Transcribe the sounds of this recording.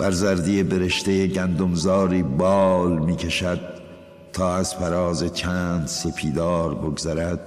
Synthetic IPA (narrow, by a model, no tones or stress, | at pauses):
b̥æɾzæɾd̪ijebe̞ɾe̞ʃt̪ejeɟænd̪omzɒːɾiːbɒːlmiːkʰeʃæd̪̥̚ | t̪ʰːɒːæz̥fæɾɒːze̞t͡ʃʰænd̪sepʰiːd̪ɒːɾboɡzæɾæd̪̥̚